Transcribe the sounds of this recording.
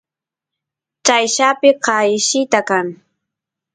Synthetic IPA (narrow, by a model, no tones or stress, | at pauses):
t͡ʃajʃapɪqɑjɪʃɪt̪akaŋ